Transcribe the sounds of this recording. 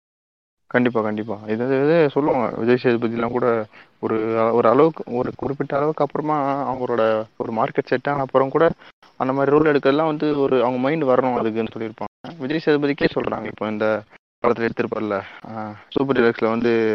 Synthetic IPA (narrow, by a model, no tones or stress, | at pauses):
kɐɳɖɪp̬ːaːkɐɳɖɪp̬ːaːɪðɯʋɐnd̪ɯʋɐd̪ɯsɔlːɐʋaːŋɡɐ̰ʋɪ̰d͡ʒɐjsɪjɐðɯbɐðɪjɛlːãːkuːɽɐ | ɔɾɯɔɾɯɐɭɐʋɯkːɯɔɾɯkːʊɽɪpːɪʈːɐːɭɐʋɯkːɐpːɯɾɐmaːɐʋɐŋɡɐɭoːɽɐɔɾɯmaːɾkɛʈsɛʈːãːɐpːɯɾɐ̃mkuːɽɐ | ɐnd̪ɐmaːd̪ɾiɾoːlɛɽɯkːɾɐðɐlːãːʋɐnd̪ɯɔɾɯɐʋɐŋɡɐmɐɪɳɖʋɐɾɐɳʊ̃ɐðɯkːɯnːɯsɔlːɪɾɯpːaːŋɡɐʋɪd͡ʒɐjsɪjɐðɯbɐðɪkːeːsɔlːɾʔa̰ːŋɡɐɪpːoːɪnd̪ɐ | pɐlɐt̪ːɪlɛɽɯt̪ːɯɾɯpːaːɾɪlːɐsuːp̬ɐɾdɪlɐkslɐʋɐnd̪ɯ